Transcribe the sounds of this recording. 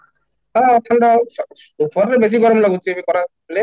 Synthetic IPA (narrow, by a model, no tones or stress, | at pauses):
aʈ̪ʰaɳɖaɔ | upɔɾɾebesiɡɔɾɔmlaɡut͡ʃʰibikɔɾa | le